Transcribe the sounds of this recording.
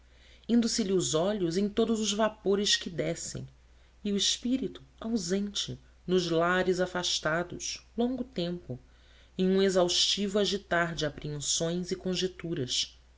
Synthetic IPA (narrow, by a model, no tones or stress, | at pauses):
ĩnd̪ʊsɪlɪʊzɔʎʊzẽj̃t̪od̪ʊzʊzvapoɾɪʃkɪd̪ɛsḛ̃j̃ | ɪʊɪʃpiɾit̪ʊ̥awzẽnt͡ʃɪ | nʊzlaɾɪzafaʃt̪ad̪ʊ̰ʃlõŋɡʊt̪ẽmpʊ | ẽj̃ũezawʃt͡ʃivʊaʒit̪aɾd͡ʒɪapɾiẽnsõj̃zɪkõʒet̪uɾɐs